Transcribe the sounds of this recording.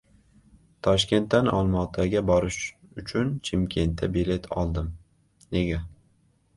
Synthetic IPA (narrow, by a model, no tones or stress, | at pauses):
t̪ʰɒʃkʲe̞nt̪ːanɒlˠmɒt̪ʰaɡʲabɒɾɪʃʊt͡ʃʰʊnt͡ʃʰɪmkʲʰe̞nt̪ʰːabile̞t̪ʰɒ̰lˠd̪ɪm | ne̞ɡʲa